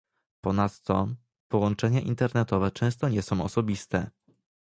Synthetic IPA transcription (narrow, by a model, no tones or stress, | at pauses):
pɔnat̪ːɔ | pɔwɔnt͡ʂɛɲaʔint̪ɛɾnɛt̪ɔvɛt͡ʂɛ̃w̃st̪ɔɲɛsɔ̃w̃ɔsɔbʲist̪ɛ